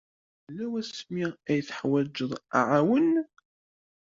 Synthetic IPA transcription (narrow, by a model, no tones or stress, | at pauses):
lːæwæsmiæjθə̥ħwæd͡ʒːəðˤʕawən